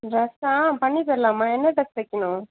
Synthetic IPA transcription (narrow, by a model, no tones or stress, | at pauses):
ɾɐsãːpɐɳːipɐɾlaːmːaːɛnːɐʈɐk̚ʋɛkːɐnʊ̃